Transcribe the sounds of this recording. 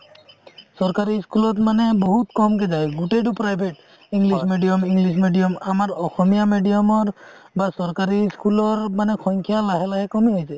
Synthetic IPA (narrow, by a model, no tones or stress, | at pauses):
sɔɹkaɾiskulɔtmanɛboɦut̪kɔmkɛd͡ʒajɡuʈeɖupɾajbʱeʈ | iŋɡlismeɖijɔmiŋɡlis̬meɖijɔmamaɹɔxɔmijameɖijɔmɔɹbasɔɹkaɾiskulɔɹmanɛkʰɔŋkʰijalaɦɛlaɦɛkɔmiɦojsɛ